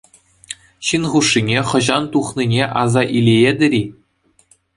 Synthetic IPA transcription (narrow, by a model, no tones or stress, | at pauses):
ɕinχuʂːinʲeχɤ̆ʑɑnt̪uχnʲinʲeʔɑzɑʔilʲejed̪ʲɘ̆ɾʲi